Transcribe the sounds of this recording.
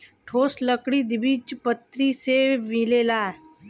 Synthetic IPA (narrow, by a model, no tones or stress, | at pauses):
ʈʰoːsləkɽid̪ɪbiːt͡ʃpət̪ːɾisemɪleːlaː